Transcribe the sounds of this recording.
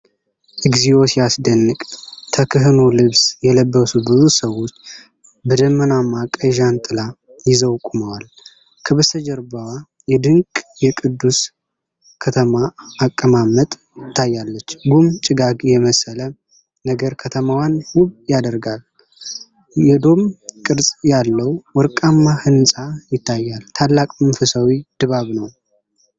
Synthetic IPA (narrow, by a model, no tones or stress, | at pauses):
ʔɨɡzijo̞siasd̪ənːɨkʼt̪ʰəkʰɨɦɨnolɨβsjɛləbːəsubɨzusəwːo̞t͡ʃː | bɨd̪əmːənamːakʼəʒant̪ʼɨla | jɪzəwkʼuməwal | kʰɨβsəd͡ʒəɾbəwa | jɛd̪ɨŋkʼjɛkʼɨd̪ːus | kʰət̪ʰəmaːkʼːəmamːət̪ʼ | jɪt̪ʰːajːalːət͡ʃːɡumt͡ʃʼɪɡaɡjɛməsələ | nəɡəɾkʰət̪ʰəmawjanwuβjad̪əɾɡal | jɛd̪o̞mkʼɨɾsʼjalːəwwɔɾkʼamːahɨnsʼajɪt̪ʰːajːalt̪ʰalːakʼmənfəsawid̪̥ɨβaβnəw